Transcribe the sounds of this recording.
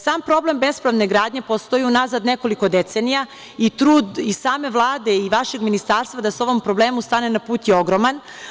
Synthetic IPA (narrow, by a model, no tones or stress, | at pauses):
saːmpɾo̞ble̞mbe̞spɾaʋne̞ɡɾaːd̪ɲe̞po̞st̪o̞jiunazad̪ne̞ko̞liko̞d̪e̞t̪senija | it̪ɾuːd̪isaːme̞ʋlˠaːd̪e̞iʋaʃe̞ɡminist̪aːɾst̪ʋad̪aso̞ʋo̞mpɾo̞ble̞ːmust̪ane̞napuːt̪jeo̞ɡɾo̞man